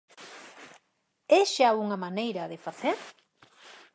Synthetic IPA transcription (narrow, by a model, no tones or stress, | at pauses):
esʃauŋɐmanejɾɐðefaθeɾ